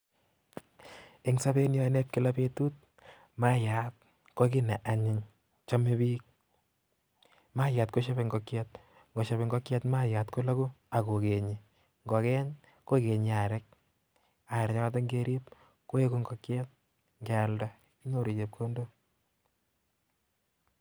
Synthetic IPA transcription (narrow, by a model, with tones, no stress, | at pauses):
e˦ŋsa˦be˦njɔ˦ne˦p̚kɪ˨la˦petu˦t̚ | ma˦ja˨t̚ | ko˦k̬ɪ˦nɛ˨ʔa˨ɲɪ˨ɲ | t͡ʃa˦me˦biː˦k̚ | ma˦ja˨tko˦ʃa˦be˨ŋɡɔ˨kjɛt̚ | ŋɡɔ˨ʃa˨βe˨ŋɡɔ˦kjɛ˦tma˦ja˨tko˦la˦ku˦a˨ko˨ke˨ɲi | ŋɡɔ˨kɛ˦ɲ | ko˦ke˨ɲi˨a˨ɾɛ˦k̚ | a˨ɾɛ˨ɲa˦ka˦t̬ɔ˦ŋɡe˦ɾi˦p | ko˦e˦ku˦ŋɡɔ˨kjɛ˦t̚ | ŋɡɛa˨lda˦ | i˦no˦ɾi˨d͡ʒe˨p̚kʰo˦ndo˦